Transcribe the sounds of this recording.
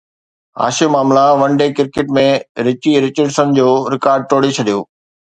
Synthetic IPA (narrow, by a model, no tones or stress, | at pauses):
a̰ːʃemaːmlaʋɐ̃ɳɖekɪɾkeʈmẽɾɪt͡ɕiɾɪt͡ɕəɖsə̃nd͡ʑoːɾɪkaːɾɖ̚ʈoːɽet͡ɕʰɐɗijoː